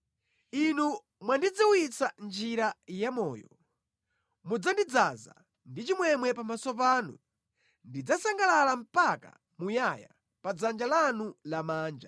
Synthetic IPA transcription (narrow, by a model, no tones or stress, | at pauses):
inu | mwandid͡ziwit͡sand͡ʒiɾajamɔ̰ːjɔ | mud͡zandid͡zaza̰ | ndit͡ʃimwɛmwɛpamasɔpaːnṵ | ndid͡zasaŋɡalalam̩paka̰ | mujaja̰ | pad͡zand͡ʒalanulamaːnd͡ʒa